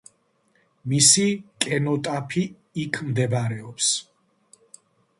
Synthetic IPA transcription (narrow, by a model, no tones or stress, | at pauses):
misikʼɛnɔt̪ʼapʰi | ikʰmd̪ɛbaɾɛɔps